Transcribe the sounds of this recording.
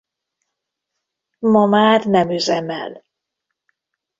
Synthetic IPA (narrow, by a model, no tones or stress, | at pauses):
mɒmaːrnɛmyzɛmɛ̰l